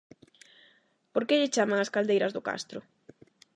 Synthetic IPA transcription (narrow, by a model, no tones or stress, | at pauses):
poɾkeʎɪt͡ʃamaŋaskald̪ejɾɐzðʊka̰st̪ɾʊ